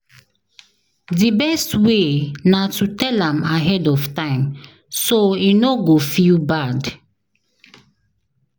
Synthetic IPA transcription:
dibɛstwenatutɛlãmaɦɛdɔftãɪ̃m | soinoɡofilbad

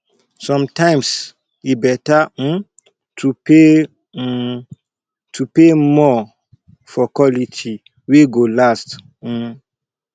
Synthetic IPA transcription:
sɔ̃mtãɪ̃ms | ibɛtã | tʰupe | tʰupemɔ | fɔkwɔlitʰi | weɡolast̩

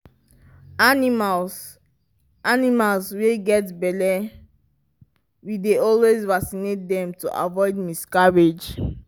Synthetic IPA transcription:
animal | animalsweɡɛtbɛdɛ | wideɔlwezvasinet̚dɛ̃mtṵʔa̰vɔɪd̚miskaɹed͡ʒ

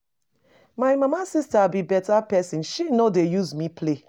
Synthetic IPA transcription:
maɪmamasistabibɛtapɛsĩnʃinodejuzmipʰle

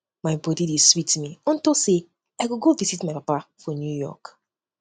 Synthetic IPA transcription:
maɪbɔdideswitmiɔ̃ntose | aɪɡoɡovisitmaɪpapafɔnjujɔ̰k

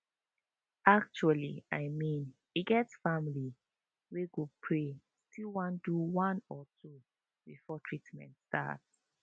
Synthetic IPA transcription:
ak̚t͡ʃualiaɪmĩn | iɡɛtsfamili | weɡopʰɹe | stʰilwãnduwãnɔtʰu | bifɔtʰɹitmɛ̰̃ntsta̰ts

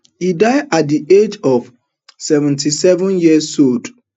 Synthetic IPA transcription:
idaɪat̚diʔed͡ʒɔv | sɛvɛ̃ntisɛvɔ̃njiəsold

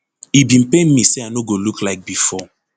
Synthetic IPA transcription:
ibĩn̩penmiseanoɡoluklaɪk̚bifɔ

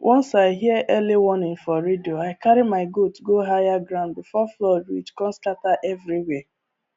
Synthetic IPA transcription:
wʔɔ̃nsaɪɦiəʔɛliwɔnɪ̃ŋfɔɾedioaɪkaɾimaɪɡotɡoɦajaɡɾãʊ̃nd̚bifɔflɔdwḭt͡ʃkɔ̃nstataʔɛvɹiwe

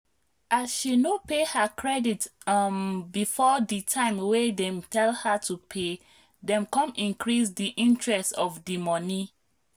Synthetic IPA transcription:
ʔasʃinopehəkʰɹɛditmbifɔditʰãɪ̃mwedɛ̃mtʰɛlhatʰupʰe | dɛ̃mkɔ̃mĩnkɹisdiʔĩntɹɛstɔvdimɔni

